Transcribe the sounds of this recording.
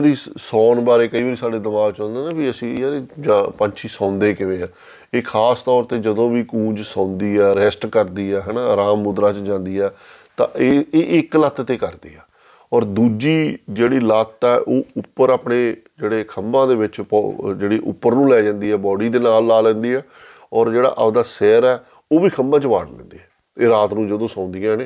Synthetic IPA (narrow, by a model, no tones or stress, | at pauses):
d̪iːsɔːnbaːɾeːkəiːʋaːɾiːsaːɖeːd̪əmaːʋt͡ʃãːnd̪eːnãːbiːəsĩːaːɾeːd͡ʒapəɲt͡ʃʰiːsãːnd̪eːkɪʋẽːɛ̃ː | eːkʰaːst̪ɔːɾt̪eːd͡ʒəd̪õːʋiːkũːd͡ʒsãːnd̪iːɛːɾɛsʈkəɾd̪iːɛːɦɛːnaːɾaːmːʊd̪ɾaːt͡ʃd͡ʒãːnd̪iːɛː | t̪ã̰ːeːʔɪklət̪ʰːt̪eːkəɾd̪ḭːɛː | ɔːɾd̪uːd͡ʒiːd͡ʒeːɽiːlət̪ɛːʔoːʊpːəɾaːpɳeːd͡ʒeːɽeːkʰəmːãːd̪eːʋɪt͡ʃpd͡ʒeːɽiːʔʊ̰pːəɾnũːlɛːd͡ʒãːnd̪iːɛːbɔːɽiːd̪eːnaːlːaːlɛ̃ːnd̪iːɛː | ɔːɾd͡ʒeːɽa̰ːʔəd̪aːsɛːɾɛː | oːʋiːkʰəmːãːt͡ʃəʋa̰ːɽlɛ̰̃ːnd̪ḭːɛː | eːɾaːt̪nũːd͡ʒəd̪õːsãːnd̪ijãːɦneː